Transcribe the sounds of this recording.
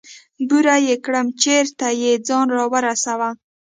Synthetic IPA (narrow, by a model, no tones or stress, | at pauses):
buɾajekɽəmt͡ʃeɾt̪ajed͡zɑnɾɑwəɾasawa